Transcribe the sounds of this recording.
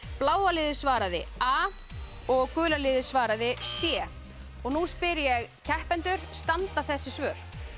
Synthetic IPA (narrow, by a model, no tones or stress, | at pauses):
plaːwalɪðɪsvaːɾaðɪ̰aː | ɔɣkʏːlalɪðɪsvaːɾaðɪsjɛː | ɔɣnuspɪɾjɛɣcʰɛhpɛnt̪ʏɾ̥st̪ant̪aθɛsːɪsvœːɾ̥